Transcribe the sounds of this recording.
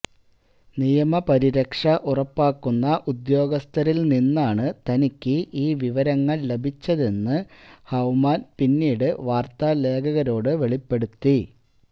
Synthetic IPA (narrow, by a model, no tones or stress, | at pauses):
nijɐmɐpɐɾiɾɐkʂɐʔurɐpːaːkːunːɐʔud̪jo̞ːɡɐst̪ʰɐɾilninːaːɳɨt̪ɐnikʲːɨʔiːʋiʋɐɾɐŋːɐɭle̞bʱit͡ɕːɐðenːɨhɐwmaːnpinːiːɽɨʋaːrt̪aːle̞ːkʰɐɣɐɾo̞ːɽɨʋe̞ɭipːe̞ɽut̪ːi